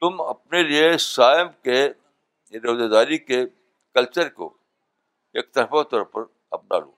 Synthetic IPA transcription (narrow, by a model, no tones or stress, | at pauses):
t̪ʊmɐp̚neliesaːɪmke | ɾoːzed̪aːɾike | kɐlt͡ʃəɾko̰ | ḛːk̚t̪ɐɾfat̪ɔːɾpɐɾ | ɐb̚na̰ːlo̰ː